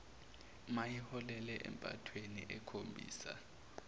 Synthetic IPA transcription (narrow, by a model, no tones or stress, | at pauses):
majihɔlɛlɛʔɛ̰mpʼa̰tʰweniʔɛkʰombʱḭːsa̰